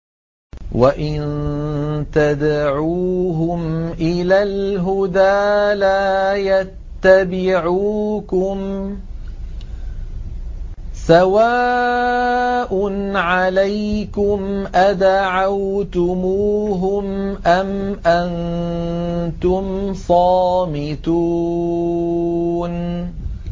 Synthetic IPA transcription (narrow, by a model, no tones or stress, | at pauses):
waʔɪn | t̪ad̪aʕuːɦʊmʔɪlaːlɦʊd̪aːlaːjat̪ːabɪʕuːkʊm | sawaː | ʔʊnʕalajkʊmʔad̪aʕawt̪ʊmuːɦʊmʔamʔan | t̪ʊmsˤɑːmɪt̪uː | n